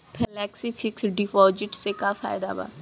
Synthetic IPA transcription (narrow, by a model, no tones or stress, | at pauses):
pʰɛlɛːksiːfʰɪksɖifɔːd͡ʒɪʈseːkaːfʰa̰ːɪd̪a̰ːba̰ː